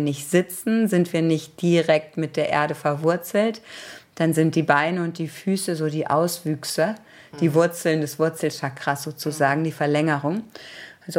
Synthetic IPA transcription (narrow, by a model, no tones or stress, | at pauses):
nɪçtz̥ɪt͡sn̩zɪntv̥iːɐnɪçt̚d̥iʁɛk̚tmɪt̚d̥eːɐʔḛɐɾəfɛɐvʊɐt͡sl̩td̥anzɪnt̚d̥iːbaɪnəʊnt̚d̥iːfyːsəzoːdiːʔa̰ʊsv̥yːksə | d̥iːvʊɐt͡sl̩ndɛsv̥ʊɐt͡sl̩ʃakʁ̥asz̥oːt͡suzaːɡŋ̩diːfɛɐlɛŋəʁʊŋʔalzo